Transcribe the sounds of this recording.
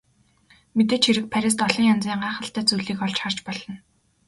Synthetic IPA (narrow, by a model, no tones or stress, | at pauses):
met̪eːt͡ɕʰxiɾɘ̆k̚pʰæɾʲɪ̆ːs̬t̪ɔɮɞ̆ŋjant͡siːɴɢaːχə̆ɬt̪æːt͡sujɮiːkɔɮt͡ɕχar̥t͡ɕpɔɮɞ̆n